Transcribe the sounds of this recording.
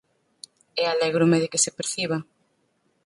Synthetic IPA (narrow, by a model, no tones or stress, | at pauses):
ɛalɛɣɾomeðɪkesepeɾθiβa